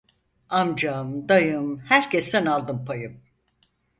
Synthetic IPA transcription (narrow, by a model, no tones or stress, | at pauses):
amd͡ʒamd̪ajɯmhæɾcest̪ænalˠd̪ɯmpʰajɯm